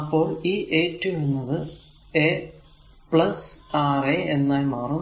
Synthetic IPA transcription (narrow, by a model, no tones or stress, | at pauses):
ɐpːo̞ːɭiːʔeːtːɨʋunːɐðɨ | e | pɭɐsaːreenːaːjmaːrum